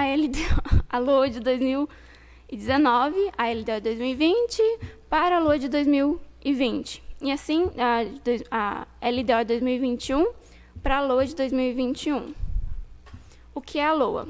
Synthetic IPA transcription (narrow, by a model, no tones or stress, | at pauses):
ɐɛlid̪eɐlowɐd͡ʒɪd̪ojzmiw | ɪd͡ʒɪzenɔvɪɐɛlɪd̪eɔwd͡ʒɪd̪ojzmiwivĩnt͡ʃɪpaɾɐɐloɐd͡ʒɪd̪ojzmiwɪvĩnt͡ʃɪ̥ɪasĩad̪ojza̰ɛlid̪eɔwɪd̪ojzmiwivĩnt͡ʃiũ | pɾɐloɐd͡ʒɪd̪ojzmiwivĩnt͡ʃɪũ | ʊkʰɪɛalowɐ̰